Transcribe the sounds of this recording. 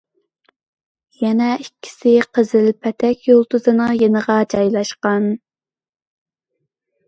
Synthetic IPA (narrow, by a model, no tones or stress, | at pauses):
jɛnɛikʲʰːi̥sɪqʰəzɪlpʰɛt̪ʰɛkʲjolˠt̪uzɨnɨŋjenəʁɑd͡ʒɑjlˠɑʃqɑn